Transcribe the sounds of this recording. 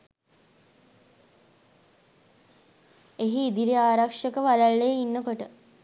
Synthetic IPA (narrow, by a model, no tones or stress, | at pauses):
eɦiːd̪iɾiaːɾakʂəkəʋalaɭːejəinːəkoʈə